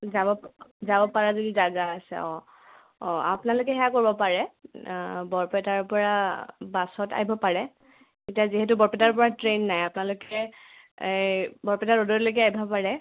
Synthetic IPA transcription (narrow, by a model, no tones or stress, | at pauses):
zabɔzabɔpaɹazodizaɡaːsɛ̰ɔ | ɔa̰pʊnalʊk̬ɛɦɛakoɹibɔpaɹɛ | bɔɹpɛtaɹpɔɹabasɔta̰ɦjbʱɔpaɹɛ | etiaziɦɛt̬ʊbɔɹpɛtaɹpɔɹatɹenːajapnalʊkɛ | bɔɹpɛtaɹodɔɹlok̬ɛajbʱapaɹɛ